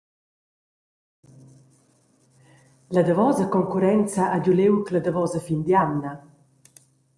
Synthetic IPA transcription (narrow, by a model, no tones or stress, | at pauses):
lad̪avɔzakɔŋkuɾɛnt͡saʔaɟulewklad̪avɔzafind̪janːa